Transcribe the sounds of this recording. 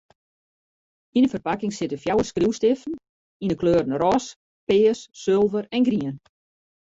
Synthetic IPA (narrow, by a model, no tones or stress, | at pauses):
inəfərpakɪŋsɪtəfjawəskriwstɪfən̩ | inəkʰløːɾn̩rɔs | pɪːəsːølˠvəɾɛnɡriən